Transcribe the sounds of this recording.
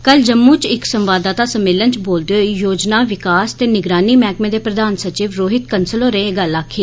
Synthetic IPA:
kəld͡ʒəmːuːt͡ʃɪksəmʋaːd̪aːt̪aːsəmːeːlənt͡ʃboːld̪eoːijoːd͡ʒnaːʋɪkaːst̪eːnɪɡɾaːniːmɛːkmẽːd̪eːpɾəd̪aːnsət͡ʃiːʋɾoːɦɪt̪kənsəloːɾẽːeɡəlaːkʰːiː

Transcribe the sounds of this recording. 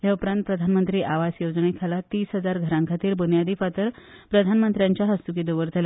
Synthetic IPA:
ɦjaupɾãnt̪̚pɾəd̪ʱanmənt̪ɾiːʔaʋasjod͡znekʰalat̪iːsɦəd͡zaɾɡʱəɾãŋkʰat̪iːɾbunjad̪iːfat̪əɾ | pɾəd̪ʱanmənt̪ɾjaɲt͡ɕjaɦəst̪ukid̪oʋəɾt̪la

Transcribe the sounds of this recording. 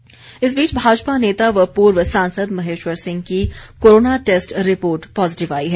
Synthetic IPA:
ɪsbiːt͡ʃbʱaːd͡ʒpaneːt̪aʋəpuːɾʋəsãːnsəd̪mɐɦeːʃʋəɾsɪ̃ŋɡkikoːɾoːnaʈeːsʈɾɪpoːɾʈpɔːzɪʈɪʋaːiɦɛː

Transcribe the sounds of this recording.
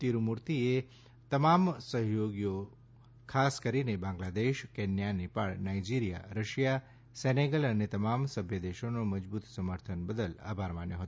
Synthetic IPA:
t̪iɾumuɾt̪ie | t̪əmamsəɦjoɡjo | kʰaskəɾinebãŋɡlad̪eʃkɛnjanipaɭnaid͡ʒiɾija̰ɾəʃja | seneɡələnet̪əmamsəbʱjəd̪eʃonoməd͡ʒbut̪səməɾt̪ʰənbəd̪əla̰bʱaɾmanjoɦət̪o

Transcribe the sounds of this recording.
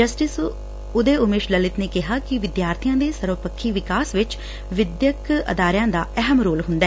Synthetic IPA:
d͡ʒəsʈɪs | ʊd̪eːʊmeːʃləlɪt̪neːkɪɦaːkɪʋɪd̪jaːɾt̪ʰɪjãːd̪eːsəɾopəkʰːiːʋɪkaːsʋɪt͡ʃ | ʋɪd̪jəkə̰d̪aːɾjãːd̪aːɛɦəmɾoːlɦʊ̃nd̪aɛː

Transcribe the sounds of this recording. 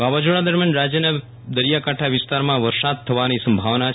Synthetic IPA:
ʋaʋad͡ʒoɭad̪əɾmjanɾad͡ʒjəna | d̪əɾjakaʈʰaʋɪst̪aɾmãʋəɾsad̪̚t̪ʰəʋanisəmbʱaʋna

